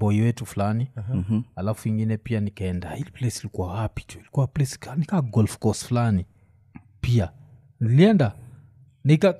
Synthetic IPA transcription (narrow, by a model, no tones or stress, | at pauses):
bɔiwɛtufulanialafuiŋɡinɛpianikaɛndahiliplɛsilikuwawapi̥tu̥ilikuwaplɛsi̥kanikaɡɔlfkɔsfulani | pia | niliɛnda | nika